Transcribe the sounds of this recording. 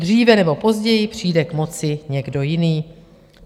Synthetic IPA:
dr̝iːvɛnɛbo̞po̞zɟɛjɪpr̝̥iːdɛkmo̞t͡sɪɲɛɡdo̞jɪniː

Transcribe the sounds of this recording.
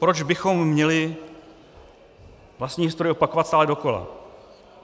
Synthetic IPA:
pɾod͡ʒbɪxo̞mːɲɛlɪ | vlast̪ɲiːɪst̪ɾoɾjɛʔopakovat̪st̪aːlɛdo̞ko̞la̰

